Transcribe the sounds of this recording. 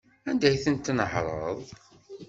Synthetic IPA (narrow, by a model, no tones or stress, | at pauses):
ænd̪æjθənt̪ːnəħɾˤəəðˤ